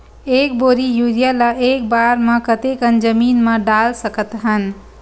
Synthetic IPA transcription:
ek̚boɾijuɾijalaʔek̚baɾmẽkət̪ekənd͡ʒəminmeɖalsəkət̪ɦən

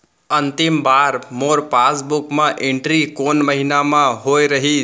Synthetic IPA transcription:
ənt̪ɪmbaːɾmoːɾpasbʊkmãʔẽɳʈɾikoːnməɦinamãɦoːjɾəɦi

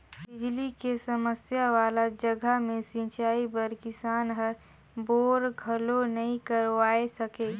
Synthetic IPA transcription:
bɪd͡ʒlikesəməsjaʋaːlad͡ʒəɡʱəmẽsĩːt͡ʃaːibəɾkɪsaːnɦəɾ | boːɾɡʱɐlonɐĩkəɾʋaːesɐkeː

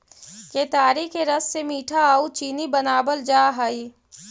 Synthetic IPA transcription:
ket̪aːɾikeɾəsːemiːʈʰaaːut͡ʃiːnibənaːbəld͡ʒaːɦaːiː

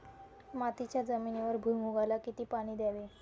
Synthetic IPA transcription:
mat̪it͡ɕjad͡zəminiʋəɾbʱujmuɡalakit̪iːpaɽ̃iːd̪jaʋe

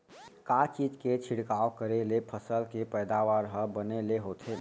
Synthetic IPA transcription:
kat͡ʃiːd͡ʒket͡ʃʰɪɽkaːokəɾelepʰəsəlkepɛːd̪aːʋaːɾɦəbəneleɦoːt̪ʰe

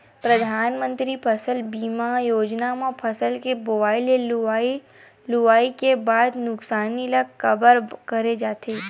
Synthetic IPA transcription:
pɾəd̪ʱaːnmə̃nt̪ɾipʰəsəlbiːmajoːd͡ʒnamãpʰəsəlkebobaːɪlei | lʊʋaːikebaːd̪nʊksaːnilakkəbəɾkəɾed͡ʒaːt̪ʰe

